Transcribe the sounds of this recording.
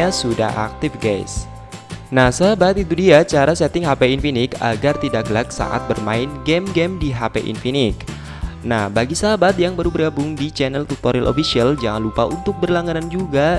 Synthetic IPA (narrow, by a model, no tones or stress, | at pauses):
asuda̰ha̰k̚t̪ɪfɡa̰js | nahsaɦabat̪it̪udiat͡ʃaɾasɛt̪ɪŋɦapeinfinɪka̰ɡart̪idakɡəlak̚sa̰ʔa̰t̪̚bərma̰ɪnɡɛmɡɛmdiɦapeʔḭnfinɪk | nahbaɡisaɦabat̪̚jaŋbaɾubərɡabʊŋdit͡ʃɛnɛlt̪ut̪oɾilʔo̰fisiald͡ʒaŋanlupaunt̪ʊk̚bərlaŋanand͡ʒuɡa